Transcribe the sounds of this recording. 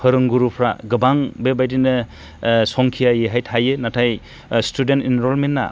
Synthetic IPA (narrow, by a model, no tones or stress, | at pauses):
pʰɯɾɯŋɡuɾupʰɾa̰ɡɯbaŋbebajdinɯ | sɔŋkʰijajeɦajtʰajɯnatʰaj | stʰudentinɾɔlmenːa̰